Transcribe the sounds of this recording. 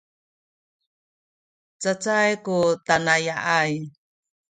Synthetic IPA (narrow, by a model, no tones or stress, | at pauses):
t͡sat͡sajkutanajaʔaj